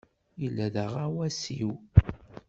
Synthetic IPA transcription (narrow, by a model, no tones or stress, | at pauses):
jəlːæðəʁawæsiw